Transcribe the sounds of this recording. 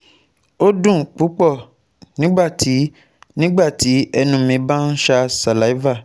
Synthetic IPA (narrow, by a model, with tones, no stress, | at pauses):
o˦dũ˦˨k͡pu˨˦k͡pɔ˦˨ | nĩ˦ɡ͡ba˦˨ti˨˦ | nĩ˦ɡ͡ba˦˨ti˨˦ɛ˧nũ˧mĩ˧ba˦n̩˦ʃa˧sa˨la˨˦va˦˨